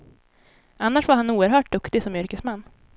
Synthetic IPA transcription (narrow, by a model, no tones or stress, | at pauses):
ʔanːaʂvaɾhanuːəɾɦœːʈ̚d̪ɵkt̪ɪsɔmʏɾkəsmanː